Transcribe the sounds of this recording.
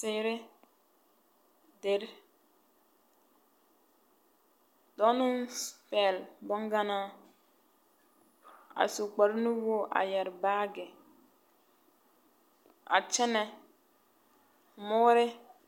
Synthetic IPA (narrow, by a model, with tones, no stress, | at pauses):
sɪ˦ɾɪ˦ | de˨ɾ | dɔ˨˦nɪ˦nspɛ˨lbɔ˦ŋɡa˦na˦ | a̰˨su˨k͡pa˨ɾnu˦wo˦ʔa̰˨jɛ˨ɾbaː˦ɡɪ˨ | a̰˨t͡ʃɛ˦nɛ˨ | mʊ˦ɾɪ˦